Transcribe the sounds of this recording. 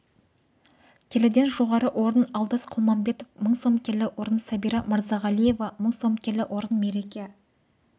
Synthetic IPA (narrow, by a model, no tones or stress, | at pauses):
kʲʰelɪd̪e̞nʒo̞ʁɑɾəʔo̞ɾənɑwˠd̪ɑsqʰʊlˠmɑmbe̞t̪o̞fməɴso̞mkʲʰe̞lɪwʔo̞ɾənsæbijɾɑməɾzɑʁɑlˠije̞vɑməɴso̞mkʲʰelɪʔo̞ɾənme̞ɾe̞kʲe